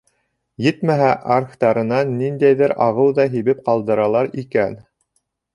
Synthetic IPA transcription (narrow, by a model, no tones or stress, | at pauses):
jɘt̪mæɦæʔaɾχt̪ɑɾɤ̆nɑnːind̪æjðɘɾɑʁɤwðɑɦiβɘp̚qɑlˠd̪ɤ̆ɾɑlˠɑɾikæn